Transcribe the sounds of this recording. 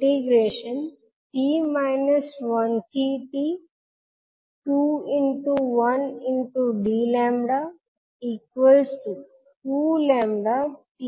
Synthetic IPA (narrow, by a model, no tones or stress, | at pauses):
ʈɪɡɾeːʃə̃n | tiːmaɪnəsʋʌ̃nsʰiʈi | ʈuːɪ̃ɳʈuʋʌ̃nɪ̃ɳʈuɖiːlɛ̃ːmbɖa | iːkʋəlsʈu | ʈuːlɛ̃ːmɖaʈi